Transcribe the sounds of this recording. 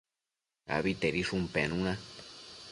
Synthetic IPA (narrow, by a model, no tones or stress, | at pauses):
a̰βit̪eɾiʂumpḛnũna